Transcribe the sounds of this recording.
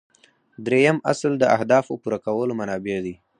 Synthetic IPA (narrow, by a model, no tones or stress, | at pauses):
d̪ɾejama̰sld̪əahd̪ɑfopuɾakawəlomanɑbed̪i